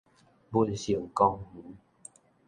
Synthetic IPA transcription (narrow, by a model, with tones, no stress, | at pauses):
bu˦˧˨nɕi˨˩ŋkɔ˧ŋhũ˨˦